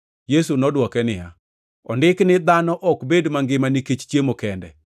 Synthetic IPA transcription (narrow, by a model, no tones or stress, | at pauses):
jesunɔdwɔkɛnɪja̰ | ɔndɪknɪd̪anɔʔɔkbedmaŋɡɪmaniket͡ʃt͡ʃjemokɛndɛ̰